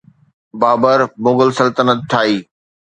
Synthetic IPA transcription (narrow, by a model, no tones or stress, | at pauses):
baːbəɾmõːɡəlsɐlt̪ənət̪̚ʈʰaːiː